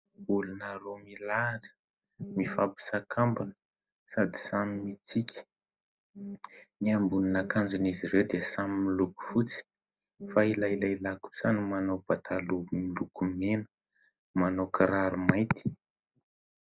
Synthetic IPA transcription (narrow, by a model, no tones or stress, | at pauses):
ulunaɾomilaʈ͡ʂə̥ | mifapi̥sakʰambanə | sad̪i̥samimit͡sikʲə̥ | niambuninakand͡ʒuniziɾewd̪esamimiluku̥fut͡si̥ | failajlajlaku̥sanimanawb̥at̪ʰalumilukumenə | manowkaɾaɾumajt̪i̥